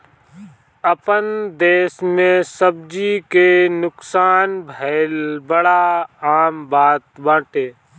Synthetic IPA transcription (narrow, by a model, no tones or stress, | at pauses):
əpənd̪eːʃmẽsəb̚d͡ʒikenʊksaːnbʱəlbəɽaaːmbaːt̪bãːʈeː